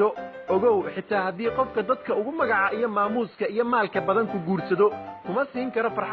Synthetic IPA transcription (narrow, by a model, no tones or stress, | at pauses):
ɔ | ɔɣɔwħɪt̪ʰaːhɐðiːqɔfkʰɐd̪ɐd̪kʰɐʊɣʊmɐɣɑʕɑʔijɞmaːmuːskʰɐijɞmaːlkʰɐbɐðɐŋkʰʊɡuːrsɐðɔkʰʊmɐsiːŋkʰɐɾɔfɐr